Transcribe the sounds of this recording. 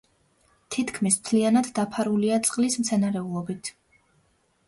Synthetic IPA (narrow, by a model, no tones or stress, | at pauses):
t̪ʰit̪ʰkʰmismt̪ʰlianad̪ːapʰaɾuliat̪sʼqʼlismt̪sʰɛnaɾɛulˠɔbit̪ʰ